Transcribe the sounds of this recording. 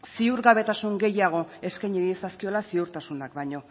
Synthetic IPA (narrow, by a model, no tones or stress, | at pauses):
siuɾɣaβe̞t̪asuŋɡe̞jaɣ̞o̞e̞skajɲiɾiesaskio̞lasiuɾt̪asunak̚bajɲo̞